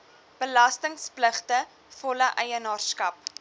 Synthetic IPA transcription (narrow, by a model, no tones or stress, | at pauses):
b̥əlɐstəŋspləχtə | fɔləʔɛjənɑːrskɐp̚